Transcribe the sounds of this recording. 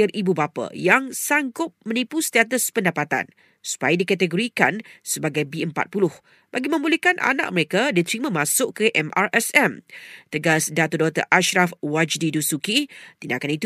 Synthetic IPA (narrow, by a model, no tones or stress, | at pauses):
ɪribubapa̰jaŋsaŋɡʊp̚mə̃nipust̪at̪̬əspəndapat̪a̰n | su̥pajadikat̪əɡoɾikansəbaɡajbiəmpa̰t̪̚pulʊh | b̥aɡimə̃mbulikanʔa̰na̰ʔ̚məɾekadit̪əɾimãmãsʊʔkəʔɛmʔarɛsɛmt̪əɡasdat̪odɔt̪ə̰ʔaʃɾafwad͡ʒdidusukit̪inda̰kanit̪